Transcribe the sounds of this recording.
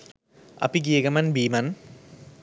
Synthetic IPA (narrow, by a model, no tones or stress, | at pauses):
ɐ̰piɡiːɡɐmɐnbiːmɐn